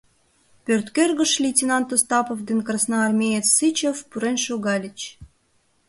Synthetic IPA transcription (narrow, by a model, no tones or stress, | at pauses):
pʲørt̪kørɣəʃlʲitʲinɑnt̪ost̪ɑpovd̪enkrɑsnɑːrmʲejet͡sːɨt͡ɕefpuɾenʃoɣɑlʲit͡ɕ